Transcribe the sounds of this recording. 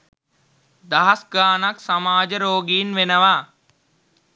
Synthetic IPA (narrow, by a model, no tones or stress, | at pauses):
d̪ɐɦasɡaːnaksamaːd͡ʒəɾoːɡiːnʋenəʋaː